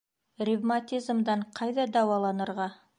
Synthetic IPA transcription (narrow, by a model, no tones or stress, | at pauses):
rʲivmat̪ʲizmd̪ɑɴqʰɑjd̪ɑd̪ɑwɑlˠɑnəɾʁɑ